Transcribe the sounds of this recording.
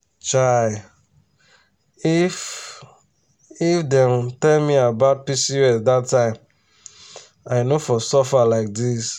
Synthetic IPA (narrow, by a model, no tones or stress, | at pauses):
t͡ʃaɪ | if | ifdɛ̃mtɛlmiabaʊt̚pisiɛsdatːãɪ̃m | aɪnofɔsɔfalaɪk̚dis